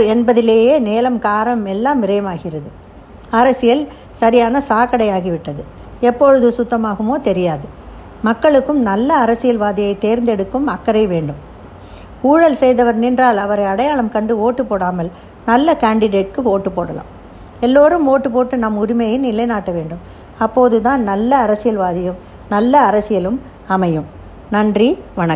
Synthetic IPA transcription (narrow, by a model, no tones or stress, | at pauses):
ɛnbɐðɪleːjeːneːlɐmkaːɾɐmɛlːaːmːɪɾɐjɐmaːɣɪrɐðɯ | ɐɾɐsɪjɐl | sɐɾɪjaːnɐsaːkɐɽɐjaːɣiʋɪʈːɐðɯ | ɛpːɔɻɯðɯsʊt̪ːɐmaːɣɯmoːt̪ɛɾɪjaːðɯ | mɐkːɐɭɯkːɯmnɐlːɐːɾɐsɪjɐlʋaːðɪjɐɪt̪eːɾnd̪ɛɽɯkːɯmɐkːɐɾɐɪʋeːɳɖɯm | uːɻɐlsɛjðɐʋɐɾnɪndraːlɐʋɐɾɐɪɐɽɐjaːɭɐmkɐɳɖɯoːʈːɯpːoːɽaːmɐl | nɐlːɐkaːɳɖɪɽeːʈ̚kɯoːʈːɯpːoːɽɐlã̰ːm | ɛlːoːɾɯmoːʈːɯpoːʈːɯnɐmʊɾɪmɐjɪnɪlɐɪnaːʈːɐʋeːɳɖɯm | ɐpːoːðɯt̪ãːnnɐlːɐːɾɐsɪjɐlʋaːðɪjɯm | nɐlːɐːɾɐsɪjɐlɯm | ɐmɐjɯm | nɐɳdriʋɐɳɐkː